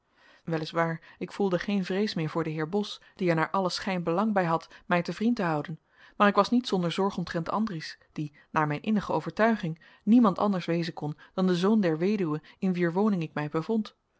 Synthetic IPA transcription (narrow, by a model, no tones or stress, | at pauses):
ʋɛlɪsʋaːɹɪkfulˠdəχejnvrejsmɪːɹvʊːɹdəɦɪːɹbɔsd̥iɛɹnaːɹʔɑləsχɛjnbəlɑŋbɛjɦɑtmɛjtəvrintəɦɑwdən | maːɾɪkʋɑsnitsɔndəɹzɔɹχɔmtrɛntʰɑ̰ndrisd̥i | naːɹmɛjnʔɪnəχəo̰wvəɹtœɥχɪŋ | nimɑntɑ̰ndəɹsʋejzənkɔnd̥ɑndəzowndɛɹʋejdywəɪnʋiːɹʋownɪŋɪk̚mɛjbəvɔnt